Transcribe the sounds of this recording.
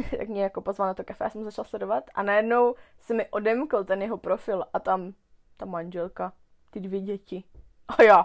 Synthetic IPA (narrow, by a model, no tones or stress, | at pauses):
j̪a̰kmɲɛjakopozvalnat̪okafɛjaːsɛmuzat͡ʃalaslɛdovat̪ʔa̰najɛdno̞wsɛmɪʔo̞dɛmkl̩t̪ɛnjɛɦo̞pɾofɪlʔat̪am | t̪amaɲd͡ʒɛlka | t̪ɪdvjɛɟɛcɪ | ʔajaː